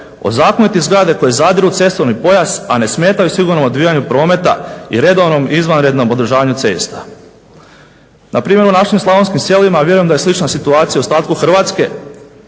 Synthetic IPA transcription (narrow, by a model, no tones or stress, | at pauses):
o̞̰zaːkonit̪izɡɾad̪e̞ko̞je̞zad̪ʒut̪se̞st̪oɾnipo̞jazane̞sme̞ːt̪ajusiɡuɾno̞mo̞d̪ʋijaɲupɾo̞ːme̞t̪a̰ḭɾe̞d̪o̞ʋno̞mizʋanɾe̞d̪no̞mo̞d̪ɾ̩ʒaːʋaɲut̪se̞̰ːst̪ḁ | nʔapɾiːmʲjeɾunaʃimslˠaʋo̞nskimsje̞limaʋje̞ɾujemd̪aje̞slˠit͡ʃnasit̪uaːt̪sijaust̪aːt̪̚kuxr̩ʋaːt̪ske̞